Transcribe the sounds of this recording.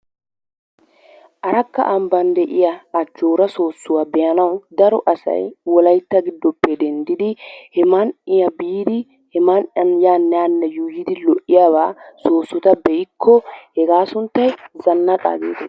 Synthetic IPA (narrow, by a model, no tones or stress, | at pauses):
ʔɐɾɐkːɐ̰ʔɐmbɐnd̪ɛʔɪjɐɐd͡ʒoːɾɐso̞ːsːʊwaːbɛjɐnɐwd̪ɐɾɔʔɐsɐ̰jwɔlɐjt̪ːɐɡɪd̪ːɔpːɛd̪ɛnd̪ɪd̪ɪhɛmɐnɪjɐbiːd̪ɪ | hɛmɐnʔɐnjaːnːɛanːɛjuːjɪd̪ɪlɔʔɪjabaːso̞ːsːɔt̪ɐbɛjɪkʰːɔhɛɡaːsʊnt̪ːɐjzɐnːɐkʼa̰ːɡḛːt̪ɛ